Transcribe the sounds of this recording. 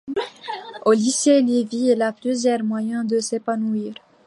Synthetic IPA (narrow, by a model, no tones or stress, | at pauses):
oliseleviɛlaplyzjɛʁmwajɛ̃d̪əsepanuiːʁ